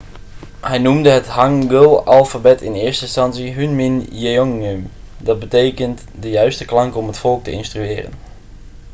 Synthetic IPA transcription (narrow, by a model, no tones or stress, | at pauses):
hɛjnumdəɦəthaŋɡəlˠalˠfabɛtʰɪnɪːstəɪnstɑnsiɦynmɪnjeoŋøm | dɑt̚bəteːkənt | dəjœɥstəklɑŋkɔmətfɔlˠk̚təɪ̰nstryɪːrə̰n